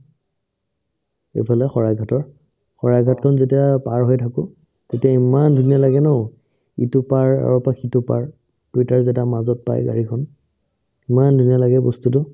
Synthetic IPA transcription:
ḛpʰalɛxɔɹaɡʱatɔɹ | xɔɹaɡʱatkʰɔnzetiapaɹɦojtʰakʊ̃ | tetiaimandʱunijalaɡɛnɔ | ḭtʊpaɹa̰ɹɔpakʰitʊpa̰ɹ | pɹitaɹzɛtamazɔt̚pa̰jɡa̰ɹikʰɔn | imandʱunijalaɡɛbɔ̰stutʊ

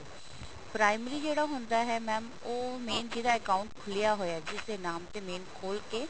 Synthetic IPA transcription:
pɾaːɪməɾiːd͡ʒeːɽaːɦʊnd̪aːɦɛːmɛːm | oːmeːnd͡ʒiːd̪aːəkaːʊɳʈkʰʊlejaːɦoːjaːd͡ʒɪseːnaːmt̪eːmeːnkʰoːlkeː

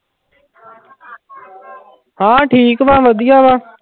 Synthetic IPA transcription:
ɦãːʈʰiːkʋãːʋəɗ̪ijaːʋaː

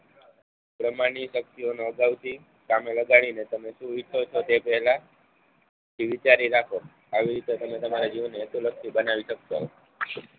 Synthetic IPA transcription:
pɾəmaɽ̃iʃək̚t̪ionoəɡaʋt̪i | kameləɡaɽ̃inet̪əmeʃũʋit͡ʃʰot͡ʃʰot̪epəɦɛla | t̪ʰiʋit͡ʃaɾiɾakʰo | aʋiɾit̪et̪əmet̪əmaɾad͡ʒiʋneːsulək̚ʰt̪ibənaʋiʃəkʃo̰

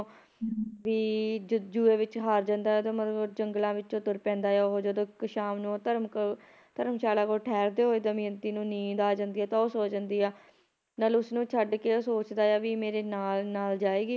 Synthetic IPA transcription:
ʋiːd͡ʒuːeːʋɪt͡ʃɦaːɾd͡ʒãnd̪aːɛːt̪oːmət̪lbd͡ʒəŋɡlãːʋɪt͡ʃõːt̪ʊɾpɛ̃ːnd̪aːjaːoɦoːd͡ʒəd̪õːkʃaːmnũːt̪əɾmk | t̪əɾəmʃaːlaːkoːʈʰɛːɾd̪eːɦoːeːd̪əmĩːənt̪iːnũːnĩːd̪aːd͡ʒãnd̪iːɛːt̪ãːoːsoːd͡ʒənd̪iːɛː | nəlʊsnũːt͡ʃʰəɖkeːoːsoːt͡ʃd̪aːjaːʋiːmeːɾeːnaːlnaːld͡ʒaːeːɡiː

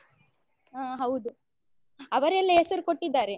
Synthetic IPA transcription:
aːɦɐwd̪u | ɐʋɐɾɛlːiesɐɾukoʈːid̪ːaːɾe

